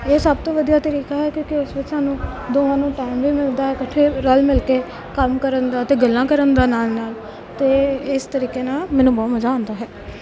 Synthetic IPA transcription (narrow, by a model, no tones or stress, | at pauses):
eːsəb̚t̪õːʋəd̪ijaːt̪əɾiːkaːɦɛːkjõːkɪʊsʋɪd͡ʒsaːnũːd̪oːãːnũːʈaːɪmbiːmɪld̪aːɦɛːkəʈʰːeːɾəlmɪlkeː | kəmkəɾənd̪aːət̪eːɡəlːãːkəɾənd̪aːnaːlnaːl | t̪eːɪst̪əɾiːkeːnaːlmɛːnũːbɔːt̪məzaːõːnd̪aːɦɛː